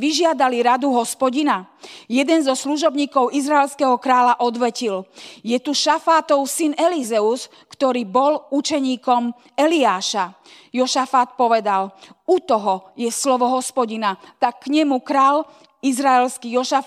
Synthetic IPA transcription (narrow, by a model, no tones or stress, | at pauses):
ʋiʒɪad̪aliɾad̪uɦɔspɔɟinajɛd̪ɛnzɔsluʒɔbɲiːkɔʊizɾaɛlskɛɦɔkɾaːlaʔɔd̪ʋɛciljɛt̪uʃafaːt̪ɔʊsinɛlizɛus | kt̪ɔɾiːbɔlut͡ʃɛɲiːkɔm | ɛliaːʃa | jɔʃafat̪̚pɔʋɛd̪alut̪ɔɦɔjɛslɔʋɔɦɔspɔɟinat̪akːɲɛmukɾaːl | izɾaɛlskijɔʃaf